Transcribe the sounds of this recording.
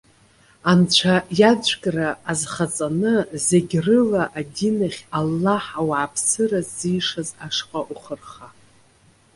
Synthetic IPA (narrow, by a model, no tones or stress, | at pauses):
ant͡ɕʷʰajad͡ʒʷʼkʼraːzχat͡sʼanɨzeɡʲrɨlaʔadinaχʲalːaħawaːpʰsɨrazːijʂazaʂqʼaʔuχərχa